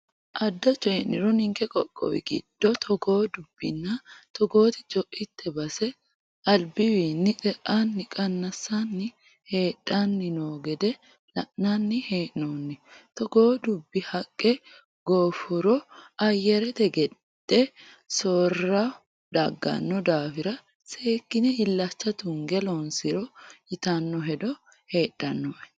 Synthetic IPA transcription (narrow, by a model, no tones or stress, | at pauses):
ʔɐd̪ːɐt͡ʃʼːɛʔnːɪɾɔnɪŋkɛkʼɔkʼːɔ̰wɪ̰ɡɪ̰d̪̥ːɔt̪ʰɔɡo̞ːd̪ʊbːɪnːɐt̪ɔɡo̞ːt̪ɪ̥d͡ʒʼɔʔɪt̪ʰːɛbɐsɛ | ɐlbɪwiːnːɪkʼɛʔanːɪkʼɐnːɐsːanːɪ | he̞ːᶑʼːanːɪnoːɡɛd̪ɛ | lɐʔnɐnːɪhe̞ːʔnoːnːɪt̪ɔɡoːd̪ʊbːɪhɐkʼːɛ | ɡoːfʊɾɔɐjːɛɾɛt̪ɛɡɛ | d̪ɛ | soːrɐ | d̪ɐɡːɐ̰nːɔd̪aːfɪɾɐ | se̞ːkːɪnɛɪlːɐt͡ʃːɐt̪ʊŋɡɛlɔnsɪɾɔɪt̪ɐnːɔɦɛd̪ɔ | he̞ːᶑʼːɐnːɔʔɛ